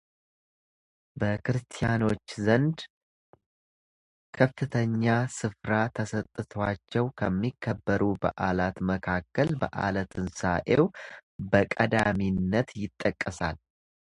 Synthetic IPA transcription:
bəkʰɨɾɨst̪ʰijano̞t͡ʃːzənd̪ | kʰəffɨt̪ʰəɲːasɨfɾat̪ʰəsət̪ʼːɨt̪ʰwat͡ʃːɛwkʰəmːikʰːəbːəɾubə̰ʔalat̪məkʰakːəlbə̰ʔa̰lət̪ʰɨnsaʔe̞wbəkʼəd̪aminːət̪jɪt̪ʼːəkʼːəsa̰l

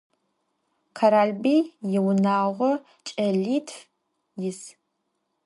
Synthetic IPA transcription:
kʰɐɾaːlbiːjɪwnaːʁʷɔ | t͡ʃʼɐɮiːtʰf | jɪs

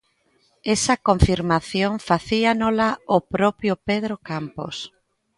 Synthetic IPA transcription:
esɐkoɱfiɾmaθjoŋfaθianolaopɾɔpjʊpeð̞ɾokampo̰s

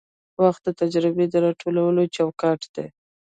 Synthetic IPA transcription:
waxt̪̚d̪ət̪ad͡ʒɾɪbed̪əɾɑʈʰolawəlot͡ʃɑwkɑʈd̪̥e

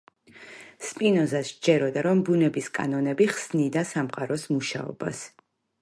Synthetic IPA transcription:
spʼinɔzasd͡ʒɛɾɔd̪aɾɔmbunɛbiskʼa̰nɔnɛbiχsnid̪asamqʼaɾɔsmuʃa̰ɔ̰bas

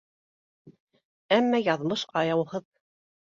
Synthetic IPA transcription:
æmːæjɑðmɤʃqɑjɑwhɤð

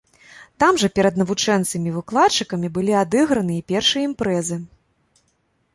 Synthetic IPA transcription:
t̪amʐɐpʲɛɾɐd̪nɐvut͡ʂɛnt̪sɨmʲivɨklˠatt͡ʂːɨkɐmʲibɨlʲiad̪ɨɣɾɐnɨipʲɛrʂɨjɐimpɾɛzɨ

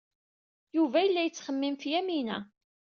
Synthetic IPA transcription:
juvæjəlːæjət͡sːχəmːimfjæminæ

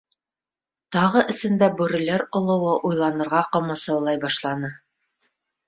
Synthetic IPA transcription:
t̪ɑʁɤʔɘ̆sɘ̆nd̪æbʉɾɘ̆læɾŏlˠɤ̆wɤʔujlˠɑnɤ̆ɾʁɑqɑ̆mɤ̆sɑwlˠɑjbɑʃlˠɑnɤ

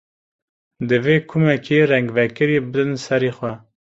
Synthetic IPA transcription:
d̪ɨveːkʰumɛkʰeːɾɛŋɡvɛkɨɾiːbɨd̪ɨnsɛɾiːxʷɛ

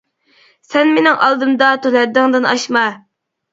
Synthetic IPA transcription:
sɛnmenɪŋʔɑlˠd̪ɨmd̪ɑt̪olɛd̪ɪŋd̪ɨnɑʃmɑ

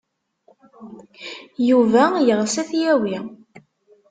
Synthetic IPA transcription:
juvæjəʁsæθjæwi

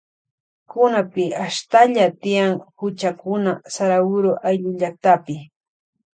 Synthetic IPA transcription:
kʊnapɪaʃt̪aʎat̪ɪjaŋhʊt͡ʃakʊnasaɾawʊɾʊʔajʎʊʎak̚t̪apɪ

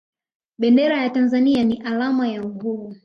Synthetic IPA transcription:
ɓɛndɛɾajatanzanianiʔalamajaŋɡuvu

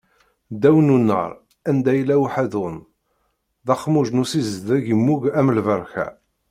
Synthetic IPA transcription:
d̪æwənunːə̰ɾˤ | ænd̪æjlːæwħæðʊn | ðɑχmuʒnusizðæʝəmːuʝæmlvəɾˤçæ̰

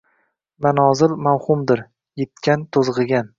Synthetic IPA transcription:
manɒzɪlmawhʊmd̪ɪɾ | jet̪̚kʲʰant̪ʰozʁɨɡʲan

